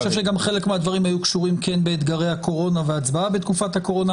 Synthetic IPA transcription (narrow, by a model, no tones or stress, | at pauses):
ʃevʃe̞ɡamχe̞le̞kmead̪vaʁimhajukʃuʁimkenbeːt̪ɡaʁejhako̞ʁo̞naveat͡sbaabet̪kufat̪hako̞ʁo̞na